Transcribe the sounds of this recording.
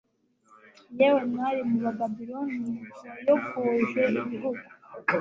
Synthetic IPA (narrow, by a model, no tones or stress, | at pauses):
jewemŋaːɾimuβababiɾoniajokuʒweiβiɦuɡu